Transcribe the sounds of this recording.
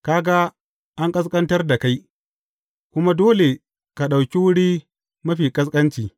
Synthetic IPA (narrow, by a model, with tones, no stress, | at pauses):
kaː˦ɡa˦ | ʔa˦ŋkʼɐ˦s̬kʼɐ˦ntɐ˦rda˨ka˦j | kʷʊ˦ma˦doː˦le˨ | ka˨ɗa˨wkʲi˦wʊ˦ɽiː˦ | mɐ˦ɸiː˨kʼɐ˦s̬kʼɐ˦nt͡ʃiː˨